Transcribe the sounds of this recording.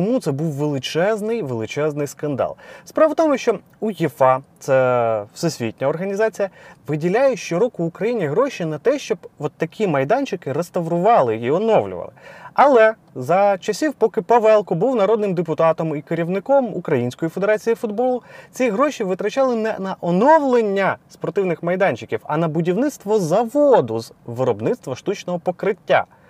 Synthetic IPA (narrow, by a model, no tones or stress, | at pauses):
t͡ʃɔmut̪sɛbuwʋelˠɪt͡ʃɛznɪjʋelˠɪt͡ʃɛznɪjskɐnd̪ɑ̰lˠspɾɑʋɐt̪ɔmʊʃt͡ʃɔ | ujifɑt̪sɛwsɛsʲʋʲḭtʲnʲɐɔrɦɐnʲizɑt͡sʲijɐʋɪdʲilʲajɛʃt͡ʃɪɾɔkʊːkɾɐjinʲiɦɾɔʃʲinɐt̪ɛʃt͡ʃɔbʋɔt̪ːɐkʲʰimɐjd̪ɑnʲt͡ʃɪkɪɾest̪ɐʋɾʊʋɑlˠɪiɔnɔʋlʲʊ̰ʋɐ̰lˠɪ̰ɐlˠɛ | zɐt͡ʃɐsʲiwpɔkɪpɐʋɛlˠkɔbuwnɐɾɔd̪nɪmd̪epʊt̪ɑt̪ɔmikeɾʲiwnɪkɔmṵkɾɐjinʲsʲkɔjifed̪eɾɑt͡sʲijifʊd̪bɔlˠʊt͡sʲiɦɾɔʃʲiʋɪt̪ɾɐt͡ʃɑlˠɪnɛnɐʔɔnɔwlˠenʲːɐspɔrt̪ɪwnɪxmɐjd̪ɑnʲt͡ʃɪkʲiwɐ̰nɐbʊdʲiwnɪt̪st̪ʋɔzɐʋɔd̪ʊzʋɪɾɔbnɪt̪st̪ʋɐʃt̪ut͡ʃnɔɦɔpɔkɾɪtʲːa̰